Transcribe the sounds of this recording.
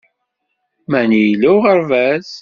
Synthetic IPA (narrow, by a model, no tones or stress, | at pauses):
mænijluʁəɾvæz